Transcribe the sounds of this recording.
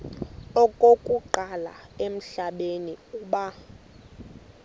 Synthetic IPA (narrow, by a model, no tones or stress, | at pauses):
ɔkʼokʼuǃala̰em̩ɬaɓeniuːɓa